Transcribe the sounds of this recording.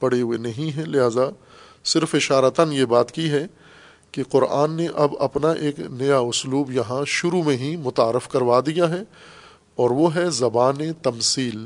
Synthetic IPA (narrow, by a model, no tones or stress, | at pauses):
pɐɽ̤eɦuenɐɦĩɦɛ̃lɪɦaːza | sɪɾfɪʃaːɾət̪ənjebaːt̪kiɦɛ | keqʊɾa̰ːnːeʔɐbɐpnaʔeːknɐjaʊsluːbjɐɦãʃʊɾumẽɦĩmʊt̪aːɾɪfkɐɾʋad̪ijaɦɛ | ɔːɾʋoɦɛzɐbaːnet̪ɐmsiːl